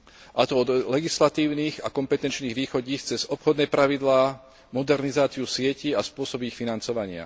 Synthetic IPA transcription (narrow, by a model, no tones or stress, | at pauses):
ʔat̪ɔɔd̪lɛɡislat̪iːʊniːɣakɔmpɛt̪ɛnt͡ʃniːɣʋiːxɔɟiːxt͡sɛzɔpxɔd̪nɛːpɾaʋid̪laː | mɔd̪ɛɾnizaːt͡siusɪɛciaspʊɔsɔbixfinant͡sɔʋaɲɪa̰